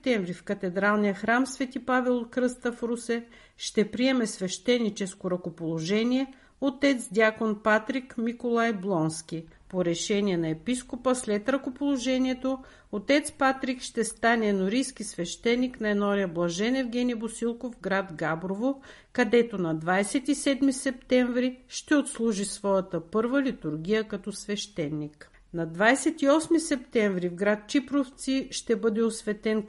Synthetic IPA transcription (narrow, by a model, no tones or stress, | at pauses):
t̪ɛɱvɾifkɐt̪ɛd̪ɾalˠnijəxɾamsvɛt̪ipavɛlˠot̪kɾɤst̪əfɾusɛ | ʃt̪ɛpɾiɛmɛsvɛʃt̪ɛnːit͡ʃɛskoɾɐkopolˠoʒɛniɛ | ot̪ɛt̪sd̪ʲakonpat̪ɾikmikolˠajblˠɔnsk̟ʲipoɾɛʃɛniɛnɐɛpiskopəslɛt̪ɾɐkopolˠoʒɛniɛt̪o | ot̪ɛt̪spat̪ɾikʃt̪ɛst̪anɛnoɾijsk̟isvɛʃt̪ɛnːiknɐɛnɔɾiəblˠɐʒɛnɛvɡʲɛnʲibosilˠkovɡɾad̪ɡabɾovo | kɐd̪ɛt̪onɐd̪vajsɛt̪isɛd̪misɛp̚t̪ɛɱvɾiʃt̪ɛot̪slˠuʒisvɔjət̪əpɤɾvəlit̪uɾɡ̟ʲijəkɐt̪ɔsvɛʃt̪ɛnːik | nɐd̪vajsɛt̪iɔsmisɛpt̪ɛɱvɾivɡɾat̪̚t͡ʃipɾoft̪siʃt̪ɛbɤd̪ɛosvɛt̪ɛn